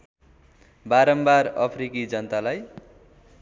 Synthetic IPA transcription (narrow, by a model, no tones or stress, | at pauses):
baɾʌmbarʌ̰pʰɾikid͡zʌnt̪alaj